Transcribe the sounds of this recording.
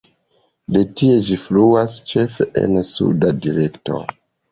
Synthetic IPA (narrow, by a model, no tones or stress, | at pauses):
de̞tie̞d͡ʒifluast͡ʃe̞feʔḛnsṵdadiɾe̞kto̞̰